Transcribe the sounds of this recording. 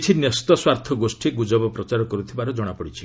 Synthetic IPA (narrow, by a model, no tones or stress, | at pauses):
t͡ʃʰinjɔst̪ɔswaɾt̪ʰɔɡosʈʰiɡud͡ʒɔbɔpɾɔt͡ʃaɾɔkɔɾut̪ʰibaɾɔd͡ʒɔɽ̃apɔɽit͡ʃʰi̥